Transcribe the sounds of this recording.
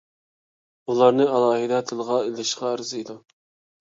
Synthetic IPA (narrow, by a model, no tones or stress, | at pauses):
ulˠɑɾnɨɑlˠɑːɦɨd̪ɛt̪ʰɨlˠəʁɑelɪʃqɑɑɾɨzɨid̪u